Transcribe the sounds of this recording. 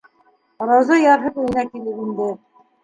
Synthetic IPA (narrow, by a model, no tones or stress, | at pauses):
ɾɑwzɑjɑɾɦɤpɵ̆j̆nækilɘpind̪ɘ